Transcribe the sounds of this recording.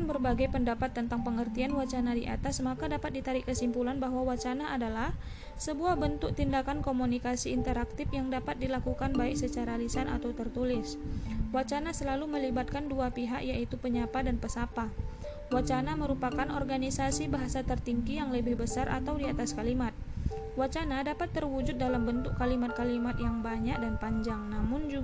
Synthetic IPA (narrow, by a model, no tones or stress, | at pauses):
nbərbaɡajpəndapat̪ːənt̪aŋpəŋərt̪ianwat͡ʃanadiʔa̰t̪asmakadapat̪̚dit̪aɾɪkəsimpulanbahɦwawat͡ʃanaʔadalah | səbuahbənt̪ʊk̚t̪indakankomunikasiːnt̪əɾak̚t̪ɪfjaŋdapat̪̚dilakukanbaɪk̚sət͡ʃaɾalisana̰t̪awt̪ərt̪ulɪswat͡ʃanasəlaluməlibat̪̚kanduapiɦaʔjaʔit̪upəɲapadanpəsapa | wat͡ʃanaməɾupakanɔ̰rɡanisasibaɦasat̪ərt̪iŋkijaŋləbɪhbəsarʔa̰t̪awdiat̪askalimat̪̚ | wat͡ʃanadapat̪ːərwud͡ʒʊt̪̚dalambənt̪ʊkːalimat̪̚kalimat̪jaŋbaɲak̚danpaɲd͡ʒaŋnamʊnd͡ʒu